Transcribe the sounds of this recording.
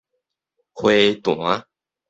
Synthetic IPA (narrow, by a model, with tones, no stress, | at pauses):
xwe˥˧ɪt̪ʊ˨˩a˦